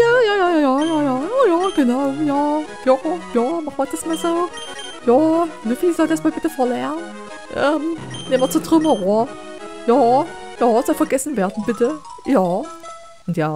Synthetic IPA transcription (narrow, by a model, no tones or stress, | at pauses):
jaːjaːjaːjaːjaːjaːjaːojaːɡ̥ənaʊjaː | jɑjaːmaχmɐd̥asmaːlzoː | jaːlufizɔldasmaːlb̥ɪtəfɛːɐlɛɐn | ʔɛmneːmɐt͡sutʁ̥ʏmɐʁoɐjaːjɑːz̥ɔlfɛɐɡɛsn̩veːɐdn̩b̥ɪtə | jaː | ʔʊntjaː